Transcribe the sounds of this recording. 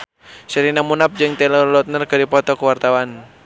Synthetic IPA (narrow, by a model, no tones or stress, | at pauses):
səɾinamunap̚d͡ʒɨŋt̪ɛlɔlɔt̪̚nərkɨdipɔt̪ɔkuwart̪awan